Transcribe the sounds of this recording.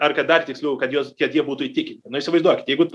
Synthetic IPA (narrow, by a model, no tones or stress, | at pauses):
ɐrkɐt̪̚d̪ɐrt̪ʲɪksʲlʲuʊkɐt̪juɔst̪ʲiɛjiɛbuːt̪ʊiːt̪ʲɪkʲɪnʲtʲɪnʊɪʃʲsʲɪʋɐɪzd̪uɔkʲɪt̪jɛɪɡʊ